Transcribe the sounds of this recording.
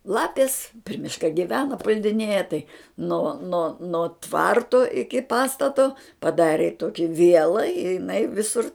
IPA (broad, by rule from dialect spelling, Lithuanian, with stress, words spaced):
ˈlˠɑːpʲɪs pʲrʲɪ ˈmʲɪʃkɐ ɡʲɪˈʋʲæːnɐ pʊlʲdʲɪˈnʲeːjɛ tɐɪ noː noː noː ˈtʋɐrtoː ɪkʲɪ ˈpɑːstɐtoː pɐˈdɑːrʲeː ˈtoːkʲɪ ˈʋʲiɛlˠɐ ɪ jɪˈnɐɪ ˈʋʲɪsʊr